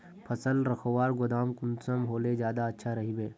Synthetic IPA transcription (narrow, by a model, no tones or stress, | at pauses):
pʰɐsəlɾɐxʰwaːɾɡʊd̪aːmkʊnsəmɦoːlezjaːd̪aɐtːʃʰaɾɐɦibeː